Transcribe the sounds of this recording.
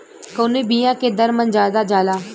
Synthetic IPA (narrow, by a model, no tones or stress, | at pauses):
koːniːbiːjãːkeːd̪əɾmənd͡ʒaːd̪aːd͡ʒaːlaː